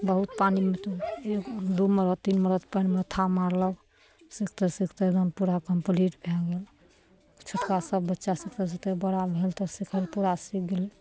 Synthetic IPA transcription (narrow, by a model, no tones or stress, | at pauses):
bəɦut̪panimet̪oekd̪uməɾət̪t̪ːinməɾət̪panmet̪ʰamaɾlə | sikʰt̪əɾsikʰt̪eɾɔnpuɾakəmpliʈbʱɛɡel | t͡ʃʰoʈkasəbːətːʃasik̚t̪əs̬it̪əbəɽabʱelt̪ɔsikʰəlpuɾasik̚ʰɡel